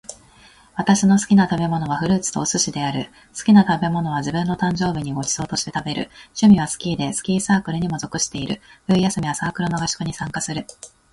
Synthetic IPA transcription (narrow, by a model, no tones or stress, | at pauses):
β̞at̪aɕino̞sɨ̥kʲinat̪abe̞mo̞no̞β̞aɸɯ̟ɾɯ̟ːt͡sɨ̥t̪o̞ːsɨɕid̪e̞aɾɯ̟ | sɨ̥kʲinat̪abe̞mo̞no̞β̞ad͡ʑibɯ̟̃nːo̞t̪ãɲ̟d͡ʑo̞ːbʲiɲ̟iɡo̞t͡ɕi̥so̞ːt̪o̞ɕi̥t̪e̞t̪abe̞ɾɯ̟̰ɕɨmʲiβ̞asɨ̥kʲiːd̪e̞sɨ̥kʲiːsaːkɯ̟ɾɯ̟ɲ̟imozo̞kɯ̟ɕi̥t̪e̞iɾɯ̟̰ɸɯ̟ijasɨmʲiβasaːkɯ̟ɾɯno̞ɡaɕi̥kɯ̟ɲ̟isãŋkasɨɾɯ̟